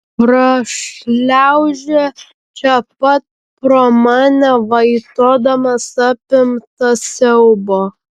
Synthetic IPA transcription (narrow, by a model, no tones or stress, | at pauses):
pɾɐʃlʲæʊʒʲɛ | t͡ʃʲɛpɐt̪̚ | pɾoːmɑːnʲɛʋɐɪt̪oːd̪ɐmɐsɑpʲɪmt̪ɐsʲɛʊboː